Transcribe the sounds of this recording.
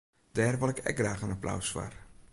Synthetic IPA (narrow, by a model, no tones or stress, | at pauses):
d̥ɛːrʋɪlˠɛkɛ̰k̚ɡraːxənapla̰wsfa̰r